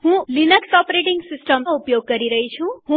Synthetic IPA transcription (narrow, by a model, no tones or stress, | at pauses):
hũlinʌksɔpɾeʈiŋɡsisʈʌmupjoɡ̚ɡʌɾiɾʌɦit͡sʰũhũ